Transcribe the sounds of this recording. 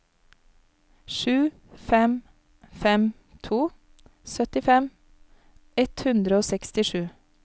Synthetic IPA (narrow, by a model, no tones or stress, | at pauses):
ʃʉː | fɛm | fɛm | t̪ʰuː | sœt̪ɪfɛm | ɛt̪hʉnd̪ɾəoːsɛkst̪ɪʃʉː